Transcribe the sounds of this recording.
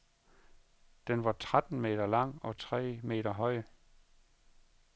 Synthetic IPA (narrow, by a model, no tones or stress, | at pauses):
d̥enʋɑ̈t͡sʰʁad̥n̩me̝̰ːdɐlɑ̈ŋ̰ɒ̽t͡sʰʁɛ̰ːme̝̰ːɾɐɦɒ̽ɪ̰ə